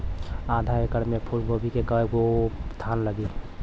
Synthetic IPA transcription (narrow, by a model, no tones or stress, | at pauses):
ãd̪ʱaekəɾmepʰulɡobʱikekəeɡot̪ʰanləɡil